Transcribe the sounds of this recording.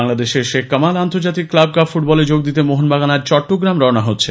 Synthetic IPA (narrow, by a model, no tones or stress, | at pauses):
aŋlad̪eʃeɾʃekkːəmalant̪oɾd͡ʑat̪ikːlab̚kabfuʈ̚bɔled͡ʑoɡ̚d̪it̪emoɦonbaɡanaɾt͡ɕɔʈːoɡɾamɾɔnaɦotːɕʰe